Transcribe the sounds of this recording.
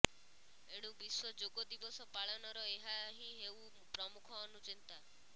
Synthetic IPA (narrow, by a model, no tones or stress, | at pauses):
eɽ̃ubiswɔd͡ʒoɡɔd̪ibɔsɔpaɭɔnɔɾɔeɦaɦĩɦeu | pɾɔmukʰɔːnut͡ʃint̪a